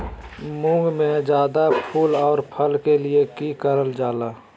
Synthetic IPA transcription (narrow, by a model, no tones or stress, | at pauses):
mʊ̃ŋɡmẽd͡ʒjaːd̪apʰuːlɔːɾpʰəlkeliekikəɾəld͡ʒaːlaː